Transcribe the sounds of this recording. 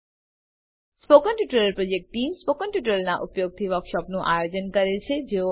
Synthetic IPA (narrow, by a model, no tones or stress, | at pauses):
spokənʈjuʈɾəlpɾod͡ʑek̚ʈʈimspokənʈuʈɾəlnaʔupjoɡ̚t̪ʰiʋɔɾkʃɔpnuʔajod͡ʒonkɔɾet͡ɕʰed͡ʑeo